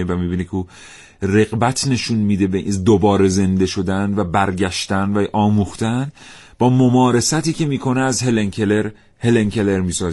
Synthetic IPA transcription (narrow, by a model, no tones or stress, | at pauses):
evæmiːbiːnekʰeuː | re̞ɣbæt̪ʰne̞ʃunmiːd̪e̞beʔid̪obɒːɾe̞ze̞nd̪e̞ʃo̞d̪ænvæbæɾɟæʃt̪ænvæʔɒːmuːxt̪æn | bɒːmomɒːɾe̞sæt̪iːcʰe̞miːkʰo̞neæzɦeleŋkʰeleɾ | heleŋkʰeleɾmiːsɒːz